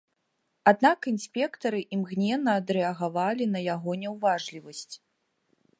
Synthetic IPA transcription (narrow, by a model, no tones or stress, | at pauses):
ad̪nakinsʲpʲɛkt̪ɐɾɨʔimɣnʲɛnːɐːd̪ɾɛɐɣavalʲinɐjaɣɔnʲɛwvaʐlʲivɐsʲt͡sʲ